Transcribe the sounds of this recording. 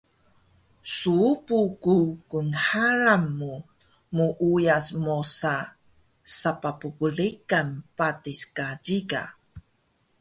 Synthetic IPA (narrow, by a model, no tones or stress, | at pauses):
suupukukunħaɾamːu | muʔujasmosa | sapapupulikanpatiskaɟiɡa̰